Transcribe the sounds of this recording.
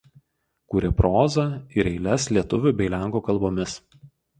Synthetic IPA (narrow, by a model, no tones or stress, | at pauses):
kuːɾʲɛpɾoːzɐˑɪɾɛɪlʲɛslʲiɛt̪ʊʋʲʊˑbʲɛɪlʲæˑŋˑkoːkɐlˠboːmʲɪs